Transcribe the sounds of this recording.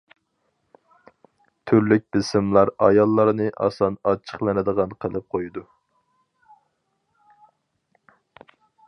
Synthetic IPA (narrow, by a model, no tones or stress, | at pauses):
t̪ʰyɾlyk̚ʲbɪsɪmlˠɑɾɑ̰jɑlˠːɑɾnɨʔɑ̰sɑnɑt͡ʃʰːə̥χlˠɨnɨd̪əʁɑnqʰəlˠɨp̚qʰojd̪u